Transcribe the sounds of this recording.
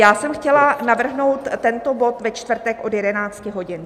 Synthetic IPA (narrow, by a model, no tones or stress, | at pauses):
jaːsɛmxcɛlanavr̩ɦno̞wt̪ːɛnt̪o̞bo̞t̪vɛt͡ʃt̪vr̩t̪ɛkʔo̞djɛdɛnaːt͡scɪɦo̞ɟɪn